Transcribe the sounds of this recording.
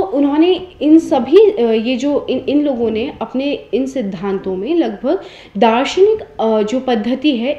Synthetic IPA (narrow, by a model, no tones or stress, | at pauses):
ʔʊnɦõneɪnsɐbʱijed͡ʒoːɪɪnloːɡõneɐpneɪnsɪd̪ʱːãːnt̪õmẽlɐɡbʱɐɡ | d̪aːɾʃənɪkd͡ʒoːpɐd̪ʱːət̪iɦɛ